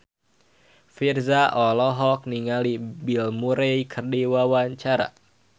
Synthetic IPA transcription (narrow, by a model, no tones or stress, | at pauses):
firzaʔɔlɔɦɔk̚niŋalibilmuɾejkʰərdiwawaɲt͡ʃaɾa̰